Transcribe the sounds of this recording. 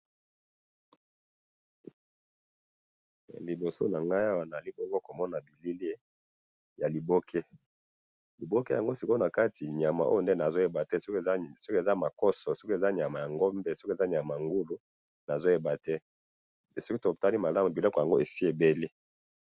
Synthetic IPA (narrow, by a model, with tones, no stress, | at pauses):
li˨bo˨so̰˦na˨ŋɡa˦ja˦wa˨na˨li˦bɔ˦ŋɡo˦ko˨mɔ˦na˨bi˨li˦le˦ | ja˨li˨bo˦kʰe˦ | li˨bo˦ke˦ja˨ŋɡo˦si˨ko˦na˨ka˦tʰi˨ɲa˨ma˨ʔo̰˦jo˨nde˦na˨zo˦je˨ba˨tɛ˦so˦kso˦ke˨za˦ma˨kɔ˦sɔ˨so˦ku˦e˨za˦ɲa˨ma˨ja˨ŋɡo˦mbe˦so˦ke˨za˦ɲa˨ma˨ŋɡu˦lu˨˦ | na˨zo˦je˨ba˨tɛ˦ | e˨so˦ki˦to˨ta˦li˦ma˨la˦mu˨bi˨lɔ˦kja˨ŋɡo˦ʔe˨fi˦e˨be˦li˦